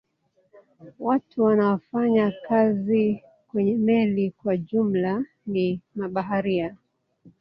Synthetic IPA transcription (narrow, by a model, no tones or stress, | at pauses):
watʰuwanawafaɲakazi | kwɛɲɛmɛlikwaʄum̩la | nimaɓaɦaɾia